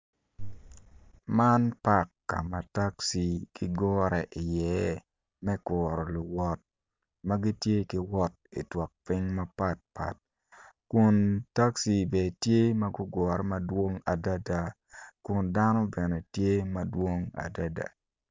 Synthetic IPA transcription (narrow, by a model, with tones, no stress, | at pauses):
ma˦npa˦˨kːa̰˨ma˨ta˦ksi˨kɪ˦ɡɔ˦ɾɛ˨ʔɪ˨jɛ˨˦ | mɛ˦kɔː˨ɾɔ˨lʊ˨wɔ˦t̚ | ma˦ɡi˦tje˦kɪ˦wɔ˦t̚ḭ˨twɔ˨k̚pɪ˦ɲma˦pa˦t̚pa̰˨t̚ | kʊ˨nta˦ksi˨bɛ˨tje˦ma˦ɡʊ˦ɡɔ˨ɾɛ˦ma˨dwo˦ŋa˨da˦da˨ | kʊ˨nda˦no˦bɛ˨nɛ˨tje˦ma˨dwo˦ŋa̰˨da˦da̰˨